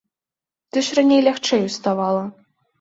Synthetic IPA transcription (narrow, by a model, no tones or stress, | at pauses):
t̪ɨʂranʲejlʲaxt͡ʂɛjust̪avɑlˠɐ